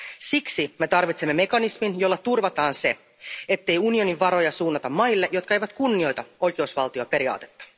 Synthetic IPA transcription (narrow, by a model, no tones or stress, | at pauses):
siksime̞t̪ɑrʋit̪semːeme̞kɑnisminjo̞lːɑt̪urʋɑt̪ɑːnse̞ | e̞t̪ːe̞junio̞niʋʋɑɾo̞jɑsuːnːɑt̪ɑmːɑjlːeʔjo̞t̪kɑe̞jʋæt̪kunːio̞jt̪ɑo̞jkeusʋɑ̰lt̪io̞ːpe̞ɾiɑ̰ːt̪e̞̥t̪ːɑ̥